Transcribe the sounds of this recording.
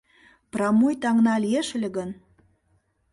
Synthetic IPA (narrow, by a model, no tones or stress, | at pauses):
prɑmujt̪ɑŋnɑlieʃelʲĕɣən